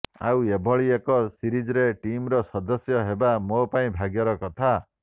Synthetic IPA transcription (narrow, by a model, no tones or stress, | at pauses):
a̰webʱɔɭiekɔsiɾid͡ʒɔɾeʈimɾɔsɔd̪ɔsjɔɦebamopaĩbʱaɡjɔɾɔkɔt̪ʰa